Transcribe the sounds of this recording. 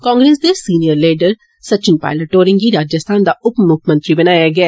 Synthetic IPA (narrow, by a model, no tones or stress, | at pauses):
kãːŋɡɾeːsd̪esiːnijəɾleːɖəɾ | sɐt͡ʃɪnpa̰ːɪləʈːoːɾɪ̃ŋɡiɾaːd͡ʒəst̪ʰaːnd̪aʊpmːʊkʰmɐ̃nt̪ɾibɐnaːjaɡɐaː